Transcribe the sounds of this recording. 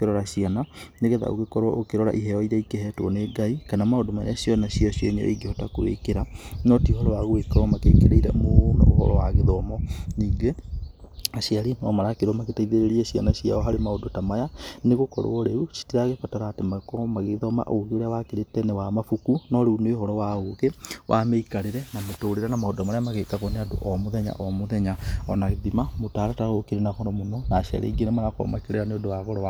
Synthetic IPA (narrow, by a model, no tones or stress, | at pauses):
keɾɔɾaɕiananeɣɛða̰o̰ɣekɔɾoɔ̰ʔokeɾɔɾa̰ʔiɦɛɔiɾɛikeɦɛtwɔneɡaikanamaodomaḛaɕjɔnaɕiɔɕiɔɲɛ̰ʔiɡehɔtakowḛkeɾanɔtihɔɾɔɾaɣoekɾwɔmakḛkeɾeiɾɛ̰moonɛ̰ohɔ̰ɾɔwaɣeðɔmɔniːŋɡe | aɕiaɾinɔmaɾakeɾɔmaɣetaiðeɾeɾiɛɕia̰naɕjia̰ɔɦaɾemaodotamajaneɣokɔ̰ɾo̰ɔɾeuʃi̥tiɾaɣefataɾaːtemakɔmaɣeðɔma̰ʔoɣeoɾeawakeɾetɛnɛwamafukunɔɾeunohɔɾɔwaoɣewʔa̰mɛikaɾeɾɛnamotoːɾeɾanamaodɔmaɾjamaɣekaɣɔneado̰ʔɔmoðɛɲa̰ʔɔmoðɛɲaɔnaɣeðimamotaɾɔtaɣokiɾenakɔɾɔmonɔnaːʃa̰ɾḛiɡenemaɾakɔ̰makeɾeɾaneodowaɣɔɾɔa